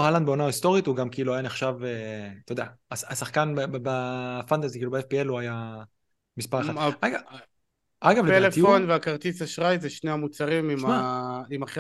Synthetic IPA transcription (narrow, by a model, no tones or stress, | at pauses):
haland̪beo̞naːist̪o̞ʁit̪uɡamkiiluajaneχʃavet̪od̪eaaasaχkanbbafant̪azikilubeefpieluaja | mispaʁaaaaɡa | aɡavleeletifonveakaʁt̪isaʃʁajzeʃneamut͡saʁimimʃmaimaχi